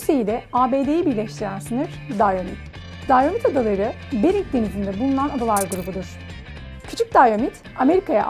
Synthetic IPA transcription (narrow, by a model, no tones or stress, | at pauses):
sejid̪ʲɛaːbe̞ːd̪e̞jibiɾlʲɛʃt̪ʰiɾænsɯnɯɾ̥ | d̪ajomḭt̪ | d̪ajomit̪ad̪alˠaɾɯ | beɾiɲcd̪e̞nizind̪ɛbulˠunanad̪alˠaɾɡuɾubud̪uɾ̥ | cʰy̥t͡ʃʰyc̚d̪ajomit̪ | ame̞ɾikaja̰ʔ